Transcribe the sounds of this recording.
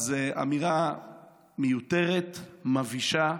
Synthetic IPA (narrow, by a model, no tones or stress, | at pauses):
zeʔa̰miʁa | mejut̪e̞ʁet̪maviʃa